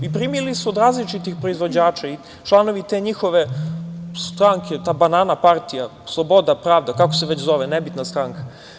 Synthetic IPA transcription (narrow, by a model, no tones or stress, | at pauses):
ipɾiːmilisuod̪ɾaːzlit͡ʃit̪ixpɾo̞izʋo̞d͡ʑaːt͡ʃai | t͡ʃlˠano̞ʋit̪eɲixo̞ʋe | st̪ɾaŋkʰet̪aːbanaːnapaɾt̪ijaslˠobo̞d̪apɾaːʋd̪akakoseʋet͡ɕzo̞ʋenebit̪nast̪ɾaŋka